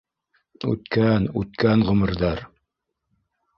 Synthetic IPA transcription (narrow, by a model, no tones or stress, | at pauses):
ʉ̰t̪kænʉ̰t̪̚kænʁɵ̆mɘ̆ɾðɑɾ